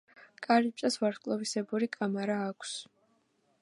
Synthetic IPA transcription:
kʼaɾip̚ʼt͡ʃʼasvaɾχkʼlˠɔvisɛbuɾikʼamaɾaːkʷʰs

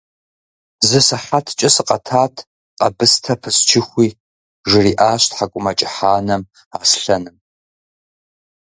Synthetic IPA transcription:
zɨsɨħatʰt͡ʃʼɪsɨqʼɐtʰaːtʰ | qʼɐbɨstʰɐpʰɨst͡ʃʰɪxʷiː | ʒɪriːʔaːɕtħakʷʼʊmɐt͡ʃʼɪħaːnɐm | aːsɬɐnɨm

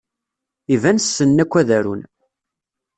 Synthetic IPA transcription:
ivænsːənːækʷːæðæɾṵn

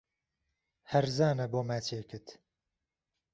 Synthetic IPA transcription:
hɐɾzaːnɐboːmæt͡ʃʰeːkʰɨt̪

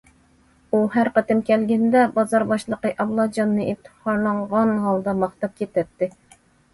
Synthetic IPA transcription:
uɦæɾqət̪ɪmkʲʰɛlɡʲɛnd̪ɛbɑzɑɾbɑʃlˠəqəʔɑblˠɑd͡ʒɑnːɨit̪ʰːɨ̥hɑɾlˠɑɴʁɑnɦɑlˠd̪ɑmɑχt̪ɑp̚kʲet̪ɛt̪ːɪ

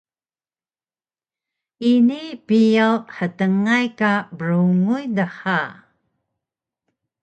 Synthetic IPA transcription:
inipijawħətəŋajkabəɾuŋujdəħa

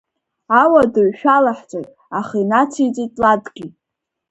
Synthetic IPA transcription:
awadɨɥʃᶣalaħt͡sʷʼatʼ | aχinat͡sʰijt͡sʼitʼladɡʲi

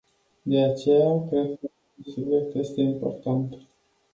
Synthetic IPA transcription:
d̪eat͡ʃejakɾed̪kə | unsubjek̚t̪jest̪eimpo̞̰rt̪ant̪

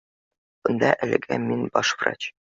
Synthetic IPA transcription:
b̥ɤ̆nd̪ɑʔælɘ̆ɡæ̰minbɒʃfrɑ̰t͡ɕ

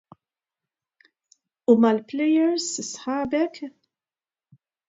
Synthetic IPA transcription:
umɐlplɛjɛɾsɪsħɐːbɛk

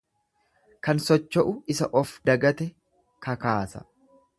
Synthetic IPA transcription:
kɐnsɔt͡ʃːɔʔʊɪsɐʔɔfd̪ɐɡɐt̪ɛ | kʰɐkaːsɐ̰

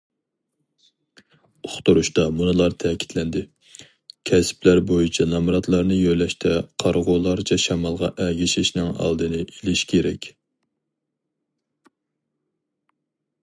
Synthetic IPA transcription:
oχt̪uɾuʃt̪ɑmunɨlˠɑɾt̪ʰɛkʲʰi̥t̪lɛnd̪ɪ | kʲʰɛsplæɾbojit͡ʃʰɛnɑmɾɑt̪lˠɑɾnɨjøjlɛʃt̪ʰɛqʰɑɾʁolˠɑɾt͡ʃʰɑʃɑmɑlˠʁɑʔɛɡʲiʃɪʃnɪŋɑ̰lˠd̪ɨnɨʔelɪʃkʲʰeɾɛkʲ

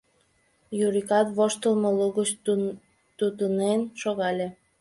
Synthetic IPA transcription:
juɾikɑt̪βoʃt̪əlməluɣət͡ɕ | t̪ut̪ənenʃoɣɑlʲe

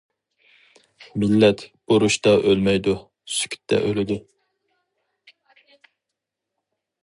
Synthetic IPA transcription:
milːɛt̪b̥uɾuʃt̪ɑʔølmɛjd̪u | sy̥kʲʰy̥t̪ʰːɛ̰ʔølɪd̪ɪ

